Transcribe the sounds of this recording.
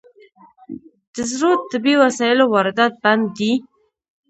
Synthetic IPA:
d̪̥əzɾot̪̚ːəbewasɑjɪlowɑɾɪd̪at̪̚band̪ːi

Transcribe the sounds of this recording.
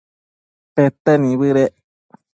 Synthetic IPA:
pet̪enĩβɨɾe

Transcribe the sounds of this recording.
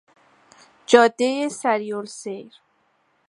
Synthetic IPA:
d͡ʒɒːd̪ːejesæɾijolsejɾ

